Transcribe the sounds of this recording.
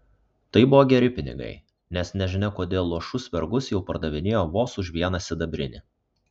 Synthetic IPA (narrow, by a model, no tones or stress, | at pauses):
t̪ɐɪbʊʋoːɡʲɛɾʲɪpʲɪnʲɪ̰ɡɐ̰ɪ | nʲɛsnʲɛʒʲɪnʲɛkoːd̪ʲeːlˠːuɔʃʊsʲʋʲɛɾɡʊsjɛʊpɐɾd̪ɐʋʲɪnʲeːjoːʋoːsʊʃʲʋʲiɛnɐsʲɪd̪ɐbʲɾʲɪ̰nʲɪ